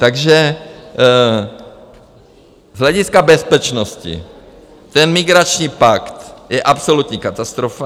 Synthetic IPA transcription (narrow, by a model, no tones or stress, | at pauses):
t̪aɡʒɛ | zɦlɛɟɪskabɛspɛt͡ʃnoscɪ̰ | t̪ɛnmɪɡɾat͡ʃɲiːpakt̪jɛʔapsolut̪ɲiːkat̪ast̪ɾofa